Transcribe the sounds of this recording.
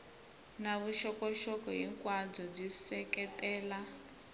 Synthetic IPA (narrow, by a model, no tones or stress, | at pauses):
naβuʃɔkɔʃɔkɔjiŋkwad͡zɔb͡ʐisɛkɛtʼɛːla